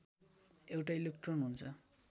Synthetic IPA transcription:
ewʈajluk̚ʈonɦunt͡sʰʌ

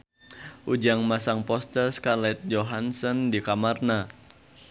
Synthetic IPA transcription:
ʔud͡ʒaŋmasaŋpɔst̪ərskalɛt̪̚d͡ʒoɦansɔndikamarna

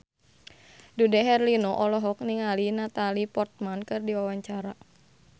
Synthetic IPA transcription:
dudɛɦɛrlinɔʔɔlɔɦɔk̚niŋalinat̪alipɔrt̪̚mankɨrdiwawaɲt͡ʃaɾa

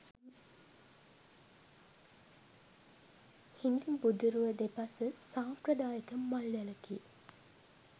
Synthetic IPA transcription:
hind̪imbud̪uɾuʋəd̪epɐsəsaːprəd̪aːjəkəmːalːæləki

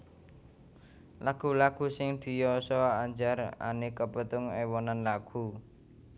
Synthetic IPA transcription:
laɡ̥ṳlaɡ̥ṳsɪŋd̪̥i̤jɔsɔaɲd͡ʒara̰nikəpət̪ʊŋewɔnanlaɡ̥ṳ

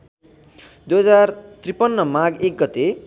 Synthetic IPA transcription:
d̪ujɦʌd͡zart̪ripʌnːʌmaɡek̚ɡʌt̪e

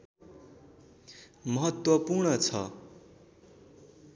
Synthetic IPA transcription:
mʌɦʌt̪wʌpurɳʌt͡sʰʌ̰

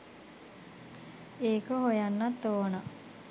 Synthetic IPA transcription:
eːkoɦojanːat̪ːoːna

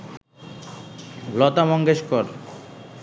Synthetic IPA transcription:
lɔt̪amɔŋɡeʃkoɾ

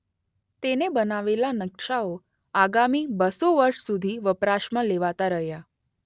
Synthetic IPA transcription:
t̪enebənaʋelanəkʃao | aɡamibəsoʋəɾʃsud̪ʱiʋəpɾaʃmãleʋat̪aɾəɦja

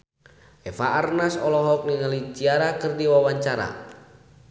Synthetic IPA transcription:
ʔɛfaːrnasɔlɔɦɔk̚niŋalid͡ʒiaɾakɨrdiwawaɲt͡ʃaɾa̰

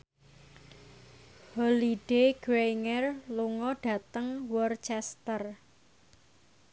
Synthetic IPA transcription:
hɔliɖ̥eɡ̥ɾejŋɛrluŋɔɖ̥ä̤t̪əŋwɔrt͡ʃɛst̪ər

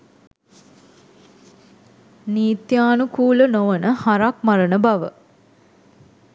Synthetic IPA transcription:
niːt̪jaːnukuːlənoʋənəhaɾak̚maɾənəbaʋə

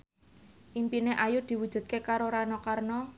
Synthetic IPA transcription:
ʔimpineʔajʊd̪̥i̤wud̥ʒ̥ṳd̪̚kekaɾoɾanɔkarnɔ

